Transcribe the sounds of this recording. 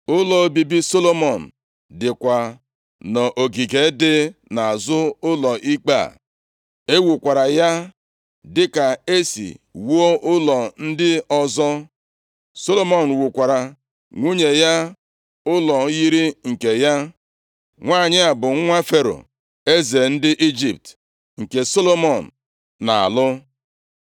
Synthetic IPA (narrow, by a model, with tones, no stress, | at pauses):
ʊ˦lɔ˨˦bi˨bi˦so˦lo˦mɔ˨n̩˨ | dɪ˨kʷa˨ | nɔ˨ʔo˨ɡi˨ɡe˨˦dɪ˦na˨a˨zʊ˦ʊ˦lɔ˨ʔi˦k͡pa̰˦˨ | e˦wu˨kʷa˨ɾa˨ja˦ | dɪ˦ka˨e˦sḭ˨wo˦ʔʊ˦lɔ˨n̩˦dɪ˦ɔ˦zɔ˦ | so˦lo˦mɔ˨n̩˨wu˨kʷa˨ɾa˨ | ŋʷu˦ɲe˨ja˦ | ʊ˦lɔ˨˦ji˦ɾi˦ŋ̩˨ke˨ja˦ | ŋʷaː˦˨ɲɪ˦a˨bʊ˨ŋ̩˦ŋʷa˦fe˦ɾo̰˨ | e˦ze˨n̩˦dɪ˦ʔi˦d͡ʒi˨p̚t | ŋ̩˨ke˨so˦lo˦mɔ˨n̩˨ | na̰˨a̰˨lʊ˦